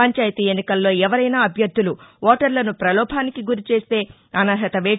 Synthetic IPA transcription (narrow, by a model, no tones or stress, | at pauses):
ɐɲt͡ʃaːjɐt̪iːenːikɐlːo̞ːɛʋɐɾɐjnaːɐbʱjɐɾd̪ːuluɔːʈɐɾlɐnupɾɐlɔːbʱaːnikiɡuɾit͡ʃe̞ːst̪e̞ː | ɐnɐɾɦɐt̪ɐʋeː